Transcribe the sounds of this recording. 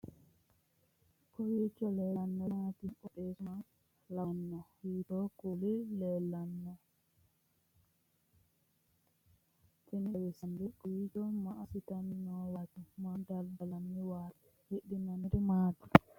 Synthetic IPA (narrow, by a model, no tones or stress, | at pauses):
kɔwit͡ʃːɔlɛlanːɔmatiɔɗɛsman | lanːɔhitɔkulilɛlanːɔ | teniwɛsandikuid͡ʒɔmaasitannɔwatumadaldalaniwatɛ̥ | heɗinaniɾimati̥